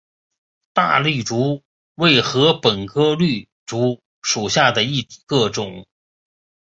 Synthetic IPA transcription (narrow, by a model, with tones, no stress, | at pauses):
t̪a̰˥˧ly˥˩ʈ͡ʂu˧˥ | we˥˩ɪxɤ˧˥pə˨˩nkʰɤ˥ly˥˩ | ʈ͡ʂu˧˥ | ʂu˨˩ɕja˥˩d̪ə˩i˥˩t̪i̥˨˩kɤ˥˩ʈ͡ʂʊ˨˩˦ŋ